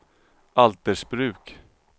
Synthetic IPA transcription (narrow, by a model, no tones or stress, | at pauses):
ʔalt̪əʂbɾʉ̟ːk